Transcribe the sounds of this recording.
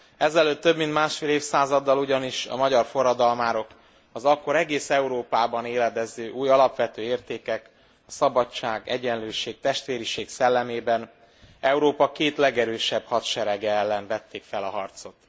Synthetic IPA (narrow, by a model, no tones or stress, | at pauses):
ɛzɛløːt̪ːø̞bmint̪maːʃfeːleːfsaːzɒd̪ːɒluɟɒniʃɒ̰mɒɟɒrfo̞rːɒd̪ɒlmaːɾo̞k | ɒzɒkːo̞ɾɛɡeːsɛuɾoːpaːbɒneːlɛd̪ɛzːøːʔuːjɒlɒpʋɛt̪øːeːrt̪eːkɛk | ɒsɒbɒt͡ʃːaːɡɛ̰ɟɛnløːʃeːk̚t̪ɛʃt̪ʋeːɾiʃeːksɛlːɛmeːbɛn | ɛuɾoːpɒkeːt̪lɛɡɛɾøːʃɛbhɒt̪ʃɛɾɛɡɛɛlːɛnvɛt̪ːeːkfɛlɒɦɒrt̪so̞t̪